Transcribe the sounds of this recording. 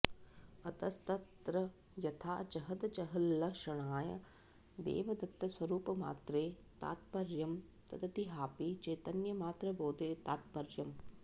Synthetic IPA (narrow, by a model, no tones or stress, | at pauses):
ɐt̪ɐst̪ɐt̪ɾɐ | jɐt̪ʰaːd͡ʒɐɦɐd̪d͡ʒɐɦɐlːɐʃɐɳ̃aːjɐ̰ | d̪ḛːʋɐd̪ɐkt̪ːɐswɐɾuːpɐma̰ːt̪ɾeː | t̪a̰ːt̪pɐɾjɐm | t̪ɐt̪ʰɐt̪iɦaːpit͡ʃeːt̪ɐnjɐmaːt̪ɾɐboːd̪eːt̪aːt̪̚pɐɾjɐm